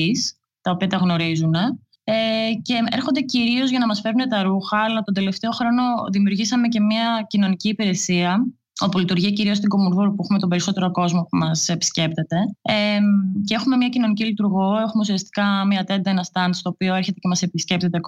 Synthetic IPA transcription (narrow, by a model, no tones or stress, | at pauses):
is | t̪ɐopiɐt̪ɐɣno̞ɾizune̞ | ece̞e̞ɾxo̞nd̪e̞ciɾio̞zʝɐnɐmɐsfe̞ɾune̞t̪ɐɾuxɐɐlɐt̪ond̪e̞le̞ft̪e̞o̞xɾo̞no̞ðimiuɾʝisɐme̞ce̞miɐcino̞niciːpiɾe̞siɐ | o̞pulit̪uɾʝiciɾio̞st̪iŋɡo̞muɾðuɾupuexumet̪o̞be̞ɾiso̞t̪e̞ɾoko̞zmo̞pumɐse̞pi̥sce̞p̚t̪e̞t̪e̞ecee̞xume̞mɲɐcino̞nicilit̪uɾɣo̞e̞xume̞usiɐst̪i̥kɐmiɐt̪e̞nd̪ɐenɐst̪ɐnd̪st̪oːpio̞e̞ɾçe̞t̪e̞cemɐse̞pisce̞p̚t̪e̞t̪e